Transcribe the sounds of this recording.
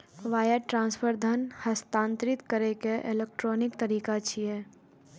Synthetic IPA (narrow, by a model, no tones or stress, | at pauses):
ʋaːjəʈɾãːnspʰəɾd̪ʱənhəst̪ãːnt̪ɾɪt̪kəɾekeʔḛlek̚ʈɾoːnɪkt̪əɾiːkat͡ʃʰieː